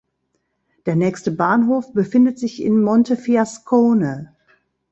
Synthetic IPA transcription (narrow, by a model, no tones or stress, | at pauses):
d̥eːɐnɛːçstəbaːnɦoːfb̥əfɪndətz̥ɪçɪ̰nmɔntəfiaskʰoːnə